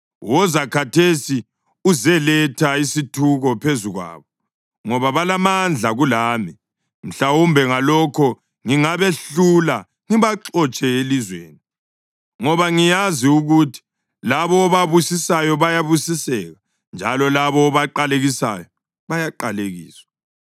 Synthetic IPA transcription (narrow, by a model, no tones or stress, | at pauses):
wɔzakʰatʰesi | uzɛlɛtʰaisitʰuɣɔpʰezuɣwa̰ːβɔ | ŋɔβaβalamand͡ɮʱaɣulaːmi | m̩ɬawumbʱɛŋalɔkʰɔ | ŋiŋaβeɬula | ŋiβaǁɔt͡ʃʼɛelizwḛːni | ŋɔβaŋijaziuɣutʰi̥ | laβɔːβaβusisajɔβajaβusisɛ̰ːɣa | nd͡ʒʱalɔlaβɔːβaǃaleɣisa̰jɔ | βajaǃaleɣḭːswḁ